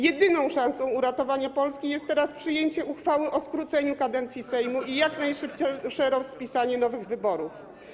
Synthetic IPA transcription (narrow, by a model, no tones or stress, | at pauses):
jɛd̪ɘnɔ̃w̃ʂãw̃sɔ̃w̃uɾat̪ɔvaɲapɔlskʲijɛst̪ːɛɾaspʂɘjeɲt͡ɕɛʔuxfawɘʔɔskɾut̪sɛɲukad̪ɛnt̪sʲjisɛjmuʔijaknajʂɘp̚t͡ɕɛʂɛɾɔspʲisaɲɛnɔvɘɣvɘbɔɾuf